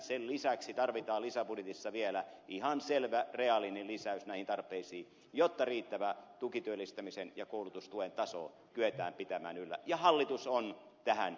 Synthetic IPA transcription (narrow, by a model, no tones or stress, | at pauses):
sellisæksit̪ɑrʋit̪ɑːlisæbudjet̪isːɑʋielæihɑnselʋæreɑlinelisæysnæˑihint̪ɑrpˑeisiː | jot̪ːɑriːt̪ːæʋæt̪ukit̪yølːˑist̪æmisenjɑkoulut̪ust̪uent̪ɑso̰ː | kyet̪æ̰ːmpit̪æmæ̰ːnylːæ̰jɑhɑlːit̪uson | t̪æhæ̰n